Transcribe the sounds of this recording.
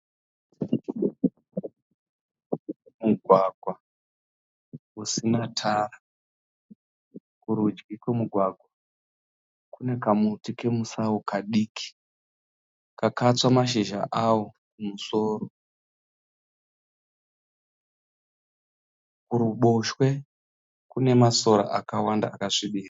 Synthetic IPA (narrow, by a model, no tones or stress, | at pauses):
muɡʱwaɡʱwa | usinatʰara | kuɾud͡ʒɡikwemuɡʱwaɡʱwa | kune̞kamutike̞musaokaɗikʰi̥ | kakat͡swamaʃeʒa̰ʔawo̞kumuso̞ːɾo | kuɾuɓoʃwe̞ | kune̞maso̞ɾa̰ʔakawanda̰ːkaʂiɓiːra